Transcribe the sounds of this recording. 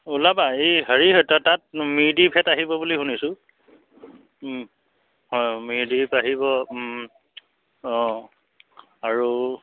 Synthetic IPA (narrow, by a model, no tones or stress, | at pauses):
ulabaejɦəɹiɦɔjtɔtat̚miɹdipʰɛtaɦibɔbuliɦunisʊ | hɔjmiɹdipaɦibɔ | ɔ̃ | aɹu